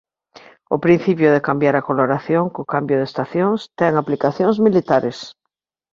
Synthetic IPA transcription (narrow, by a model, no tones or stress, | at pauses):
ʊpɾĩn̟θipjʊðekambjaɾakoloɾaθjoŋkʊkambjʊðest̪aθjõŋst̪ɛŋaplikaθjoŋzmilit̪aɾes